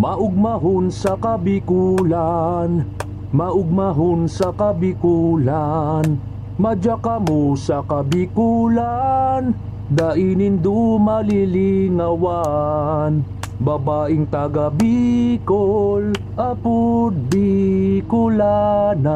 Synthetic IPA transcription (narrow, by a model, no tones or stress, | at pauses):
maʔʊɡ̚maɦʊnsakabɪkulan | maʔʊɡ̚maɦʊnsakabɪkulan | mɐd͡ʒakamʊsakabɪkulan | d̪aʔinɪnd̪umalɪliŋawa | n | bɐbaːʔɪŋt̪aɡabikol | ʔapʊd̪̚bikʊlana